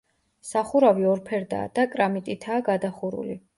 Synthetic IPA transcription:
saχuɾaviɔɾpʰɛɾd̪a̰ːd̪̥akʼɾamit̪ʼit̪ʰaːɡad̪aχuɾṵli

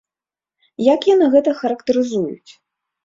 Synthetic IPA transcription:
jakjanɨɣɛt̪ɐxɐɾɐkt̪ɐɾɨzujṵt͡sʲ

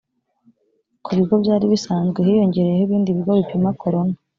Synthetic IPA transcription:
kʰuβiɡo̞bjaːɾiβisaːnzɡweɦijo̞ɲɟe̞ɾe̞jehiβiːndiβiɡoβipimakʰo̞ɾo̞na

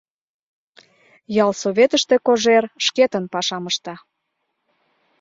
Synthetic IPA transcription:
jɑlsoβʲet̪əʃt̪ekoʒerʃket̪ənpɑʃɑməʃt̪ɑ

